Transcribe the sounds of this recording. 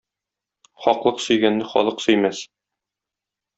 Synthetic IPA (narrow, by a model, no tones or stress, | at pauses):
χɒqlˠɤqsɵ̆jɡænːɘχɒ̰lˠɤqsɵ̆jmæs